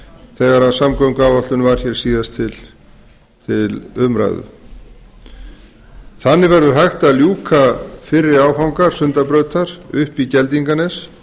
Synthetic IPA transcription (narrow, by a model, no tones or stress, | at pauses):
θɛɣaɾaðsamkɔwŋkawɔht̪lʏnvaɾ̥çɛɾ̥siːðast̪ʰɪl | t̪ʰɪlʏmɾa̰jðʏ̰ | θanːɪvɛɾðʏɾ̥ɦajxt̪aljuːkʰafɪrːɪɾaːwɦawŋkaɾ̥sʏnt̪apɾœɥt̪aɾ̥ʏhpicɛlt̪iŋkanɛs